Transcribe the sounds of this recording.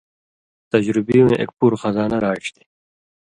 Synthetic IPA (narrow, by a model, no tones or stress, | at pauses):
t̪ɐd͡ʑɾibiwẽʔḛk̚puɾxɐzaːnɐɾaːʈ͡ʂt̪i̥